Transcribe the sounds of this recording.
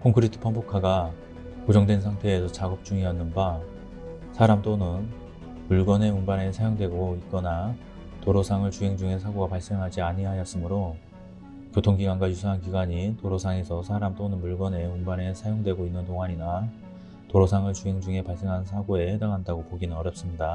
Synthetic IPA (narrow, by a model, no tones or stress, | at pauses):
kʰoŋkʰɯɾitʰɯ̥pʰambokʰaɡa | kod͡ʑʌŋdwe̞nsʰaŋtʰe̞ːsʰʌt͡ɕaɡʌp̚t͡ɕ͈uŋiʌnːɯnba | sʰaɾamt͈onɯn | muɭɡʌne̞umbane̞sʰajoŋdwe̞ɡoit̚k͈ʌna | toɾosʰaŋɯɭt͡ɕuɦe̞ŋd͡ʑuŋɦe̞sʰaɡoɡapaɭs͈e̞ŋɦad͡ʑiaɲiɦajʌs͈ɯmɯɾo | kjotʰoŋɡiɡwanɡwajusʰaɦank̬iɡwaɲitoɾosʰaŋe̞sʰʌsʰaɾamt͈onɯnmuɭɡʌne̞umbane̞sʰajoŋdwe̞ɡoinːɯntoŋaɲina | toɾosʰaŋɯɭt͡ɕuɦe̞ŋd͡ʑuŋɦe̞paɭs͈e̞ŋɦansʰaɡoe̞hedaŋɦandaɡopoɡinɯnʌɾjʌp̚s͈ɯmɲida